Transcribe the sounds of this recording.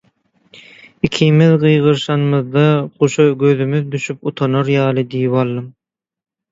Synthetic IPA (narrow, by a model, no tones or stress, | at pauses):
ikʰiːmiðɢɯjʁɯɾʃɑnmɯðd̪ɑqoʃɯɡøðymyðd̪yʃyput̪ʰɑnɑɾjɑːlˠɯd̪ijipɑlˠːɯm